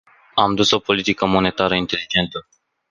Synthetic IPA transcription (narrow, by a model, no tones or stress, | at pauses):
amd̪uso̞po̞lit̪ikəmo̞ne̞t̪aɾəint̪e̞lid͡ʒe̞nt̪ə